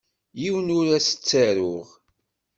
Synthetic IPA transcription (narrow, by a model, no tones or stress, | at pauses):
jiwənʊɾæsə̥t͡sːæɾʊʁ